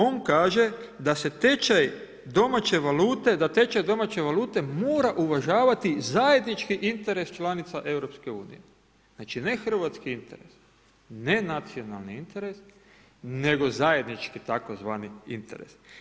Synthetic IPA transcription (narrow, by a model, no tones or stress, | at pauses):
o̞nkaːʒe̞d̪ase̞t̪et͡ʃaj | d̪o̞mat͡ɕe̞ʋaluːt̪ed̪at̪e̞t͡ʃajd̪o̞mat͡ɕe̞ʋaluːt̪e̞moːɾaʔuʋaʒaːʋat̪izaje̞d̪nit͡ʃkiʔint̪e̞ɾe̞st͡ʃlanit̪saʔe̞wɾo̞pske̞uːnḭje | znaːt͡ʃine̞xr̩ʋat̪skiint̪e̞ɾḛs | ne̞nat̪sio̞na̰lniint̪e̞ɾes | ne̞ɡo̞zaje̞d̪nit͡ʃkit̪ako̞zʋaːniḭnt̪e̞̰ɾḛs